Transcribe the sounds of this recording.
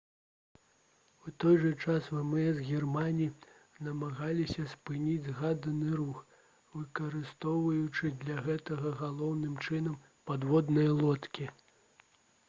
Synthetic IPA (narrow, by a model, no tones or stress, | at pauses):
ut̪ɔjʐɐt͡ʂasvɛmɛzɣʲirmanʲi | nɐmaɣalʲisʲɐspɨnʲid͡zʲɣad̪ɐnɨɾux | vɨkɐɾɨst̪ɔwvɐjut͡ʂɨd̪lʲɐɣɛt̪ɐɣɐɣalˠɔwnɨmt͡ʂɨnɐm | pad̪vɔd̪nɐjɐlˠɔt̪kʲi